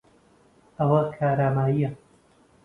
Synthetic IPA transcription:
ɐwɐkʰaːɾaːmaːjiɐ

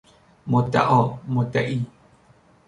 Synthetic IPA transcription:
mot̪a̰ʔomot̪aʔi

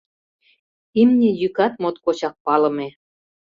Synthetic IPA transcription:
imnʲejykɑt̪mot̪kot͡ɕɑk̚pɑlɤ̆me

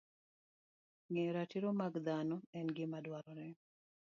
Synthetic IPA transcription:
ŋɛɾatiɾomaɡd̪anɔɛnɡɪmadwaɾɔɾɛ

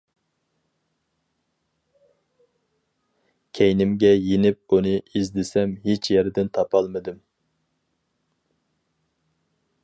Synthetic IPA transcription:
kʲʰɛjnɪmɡʲɛjenɪp̚unɨizd̪ɪsɛmɦet͡ʃʰjɛɾɪd̪ɪnt̪ʰɑpʰɑlˠmɨd̪ɨm

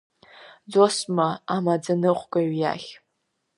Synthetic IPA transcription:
d͡zosmaamad͡zanɨχʷkʼaɥja̰χʲ

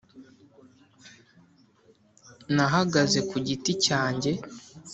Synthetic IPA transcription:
naɦaɡaze̞kuɟiticaːɲɟe̞

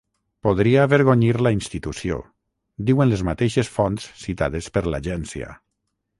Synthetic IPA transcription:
poðɾiaːβeɾɣoɲiɾlainst̪it̪usjo̰ | d̪iwenlezmat̪eʃesfonsːit̪a̰ð̞espeɾla̰ʒɛnsja̰

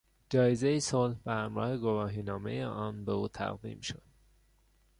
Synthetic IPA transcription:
d͡ʒɒːjezejisolhbæhæmɾɒ̰ːheɡo̞vɒːɦiːnɒːme̞̰jeʔɒːnbeuːt̪ʰæ̰ɣd̪ḭːmʃod̪̥

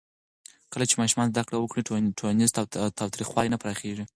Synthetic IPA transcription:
kəlat͡ʃemɑʃumɑnzd̪akɽawəkɽiʈʰolanɪzt̪at̪ʰɑwt̪ɾixwɑlinapɾɑxeʐi

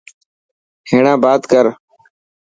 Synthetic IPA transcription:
heːɳãːbaːt̪kəɾ

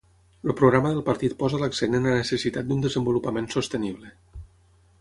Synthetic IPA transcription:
əpɾoɣɾaməðəlˠpəɾt̪it̪̚pɔzələksenənlənəsəsit̪at̪̚d̪und̪əzəmbulupəmẽnsost̪əniβlə

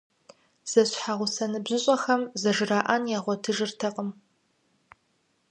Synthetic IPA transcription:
z̥ɐɕħaʁʷʊsɐnɨbzɨɕʼɐxɐmzɐʒɨraːʔɐnjaːʁʷɔtʰɨʒɨrtʰɐqʼəm

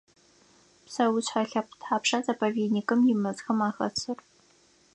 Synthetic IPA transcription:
psɐwʊt͡ɕħaɬɐpʷʰʊtħaːpʂazɐpʰɐveːdnikʼɨmjɪmɨzxɐmaːxɐ̰t͡sʰɨr

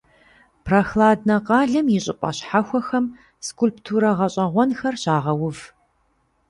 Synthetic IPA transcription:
pʰrɐxlaːdnɐqɑːɮɐmjɪɕʼɪpʷʼɐ̰ɕħaxʷɔxɐm | skʰulptʰuɾɐʁɐɕʼɐʁʷɔnxɐrɕaːʁɐwʊv

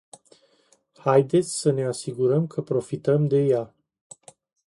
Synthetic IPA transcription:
hajd̪e̞t̪sʲsəne̞asiɡuɾəmkʰəpɾo̞fit̪əmd̪e̞ja

